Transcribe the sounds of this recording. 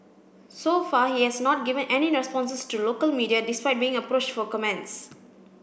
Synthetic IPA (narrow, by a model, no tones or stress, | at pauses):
sofahihɛsnɔt̚ɡivə̃nʔɛniɹɛspɔ̃nsəstulokəlmiːdiadispajt̚bĩːŋəpɾot͡ʃtfɔkɔmɛ̃nts